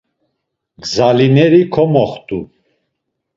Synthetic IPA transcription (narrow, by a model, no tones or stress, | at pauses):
ɡzalinɛɾikʰɔmɔχt̪ʼu